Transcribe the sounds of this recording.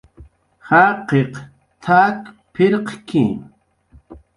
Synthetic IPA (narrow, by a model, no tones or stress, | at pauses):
haːqeq | t̪ʰak | pʰɪɾqkḭ